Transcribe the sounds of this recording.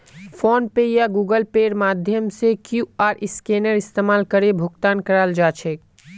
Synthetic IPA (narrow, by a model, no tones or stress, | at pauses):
fʰoːnpejaɡuːɡəlpeːɾmaːd̪ʱjəmsekjuaːɾɪskeːnəɾɪst̪eːmaːlkəɾebʱʊɡt̪aːnkəɾaːld͡ʒaːt͡ʃʰɛk